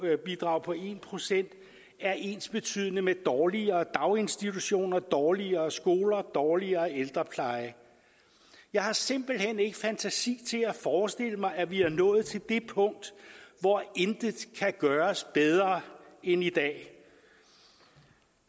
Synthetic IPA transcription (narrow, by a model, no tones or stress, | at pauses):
b̥id̥ʁɑ̈ʊ̰pʰɒ̽e̝ːnpʰʁo̝sen̰d̥ | æɐʔe̝ːnsb̥e̝t͡sʰy̰ðˠənəmed̥ɒːliɐːd̥ɑ̈ʊe̝nsd̥it͡sʰuɕo̝̰ːnɐd̥ɒːliɐːsɡ̥o̝ːlɐd̥ɒːliɐːeld̥ʁɐpʰlɑ̈ɪə | jɑ̈ɪhɑ̈se̝m̰b̥l̩hen̰e̝ɡ̥əfænt͡sʰæsḭːt͡sʰe̝læfɒːsd̥e̝l̰əmɑ̈ɪæʋiæɐnɔ̽ːð̩ˠt͡sʰe̝ld̥e̝pʰɔ̽ŋ̰d̥ʋɒend̥əkʰæɡ̥ɶːɐsb̥eð̞ˠʁɐenid̥ɛ̰ː